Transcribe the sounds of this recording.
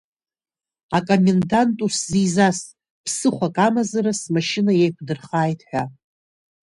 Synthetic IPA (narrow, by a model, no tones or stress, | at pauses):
akʼo̞me̞ndantʼuszizasʼ | pʰsɨχʷakʼamazaɾasmaʃɪnaje̞jkʷʰdɨrχaːjtʰʼħᶣa